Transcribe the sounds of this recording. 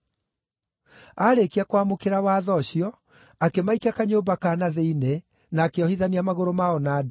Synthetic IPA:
aɾekiakwamokeɾawaːðɔɕiɔ | akemaikakaɲoːmbakaːnaðeine | naːkeɔhiðaniamaɣoɾomaɔnaːd

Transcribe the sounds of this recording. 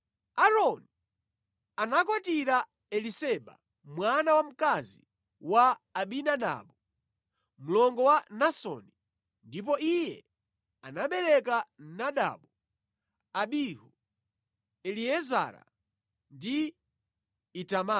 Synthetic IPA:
aɾɔni | anak̬ɔtiɾa | ɛlisɛɓa̰ | mwanawam̩kazi | waːɓinaɗa̰ɓɔ | m̩lɔŋɡɔwanasɔ̰ni | ndip̬ɔijɛ | anaɓɛɾɛkan̩naɗa̰ɓɔ | aɓihu | ɛliɛza̰ɾa̰ | ndi | itama

